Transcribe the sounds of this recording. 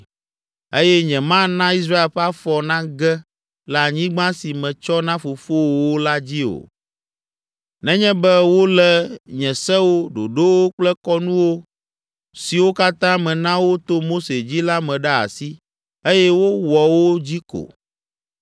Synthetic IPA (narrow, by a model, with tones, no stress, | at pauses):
e˦jɛ˦ɲɛ̃˨mã˦nã˦i˦s̬ɾa˦e˨lɸɛ˦a˦fɔ˨nã˦ɡɛ˦ | lɛ˨a˨ɲĩ˦ɡ͡bã˦si˨mɛ̃˨t͡ʃɔ˦nã˦fo˨fo˦wo˨wo˦la˦d͡ʑi˦o̰˨ | nɛ̃˦ɲɛ̃˦bɛ˦wo˦lɛ˦ɲɛ̃˨sɛ˦wo˦ɖo̰˨ɖo˦wo˦k͡plɛ˦kɔ˦nũ˦wo˦ | si˨wo˦ka˦t̪ã˦mɛ̃˨nã˦wo˦t̪o˦mo˦se˨d͡ʑi˦la˦mɛ̃˨ɖɛ˦a̰˨si˦ | e˦jɛ˦wo˦wɔ˨wo˦d͡ʑi˦ko̰˨